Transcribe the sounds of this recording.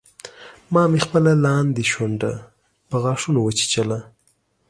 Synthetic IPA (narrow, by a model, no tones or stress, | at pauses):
mɑːmexpəlalɑnd̪iʃwaɳɖa | pəɣɑʂunowət͡ʃi̥t͡ʃala